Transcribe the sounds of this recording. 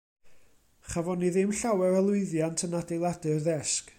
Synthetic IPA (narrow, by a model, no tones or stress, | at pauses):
χavɔniðɪmɬawɛɾəlˠʊɨðjantʰənadejlˠadɨrðɛsk